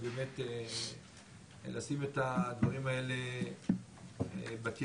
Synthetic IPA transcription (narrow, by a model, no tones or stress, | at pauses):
bemet̪e | lasimet̪ad̪vaʁimae̞le | baki